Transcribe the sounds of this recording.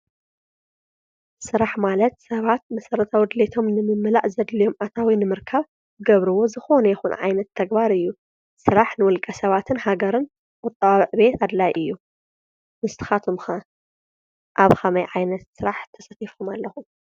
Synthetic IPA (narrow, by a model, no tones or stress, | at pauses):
sɨɾaħmalɐt̪̚sɐβat̪̚mɐsɐɾɐt̪ʰawɔd̪let̪ʰo̞mnɨmɨmːɨla̰ʔzɐd̪lijo̞mʔat̪ʰawinɨmɨɾkʰaβ | ɨɡɐβɾɨwo̞zɨxo̞nɐjɛxunʔʕa̰jnɐt̪ʰːɐɡbaɾɨjːu | sɨɾaħnɨwɔlkʼɐsɐβat̪ʰɨnhaɡɐɾɨn | ʔʼɔt̪ʼːɐwaβɨʕbe̞t̪ad̪lajʔɨjːu | mɨst̪ʰɨ̥xat̪ʰumxa | ʔaβxɐmɐjʕajnɐt̪sɨɾaħt̪ʰɐsɐt̪ʰifkʰumalːɐxu